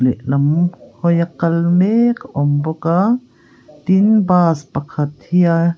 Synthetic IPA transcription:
lɛʔlɐmhɔjakɐlmekʔɔmbɔka | t̪inbaːspɐkʰɐt̪̚hia

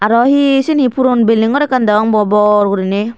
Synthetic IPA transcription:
aɾɔhisinipʰuɾunbeliŋɡɔɾɛkand̪aaŋbɔbɔɾɡuɾine

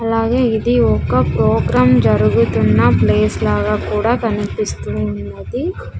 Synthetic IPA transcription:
ɐlaːɡeːid̪iokɐpɾoːɡɾaːmd͡ʒɐɾuɡut̪unːɐpleːslaːɡɐkuːɽakɐnipist̪uunːɐd̪i

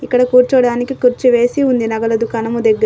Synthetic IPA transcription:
ikːɐɽɐkuːɾt͡ʃɐɽaːnikikuɾt͡ʃuʋe̞ːsiund̪inɐɡɐlɐd̪ukɐnɐmud̪eɡːɐɾ

